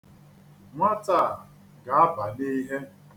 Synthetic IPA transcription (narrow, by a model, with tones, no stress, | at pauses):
ŋʷa˦ta˦˨ | ɡa˨a˦ba˨ni˦ɦe˦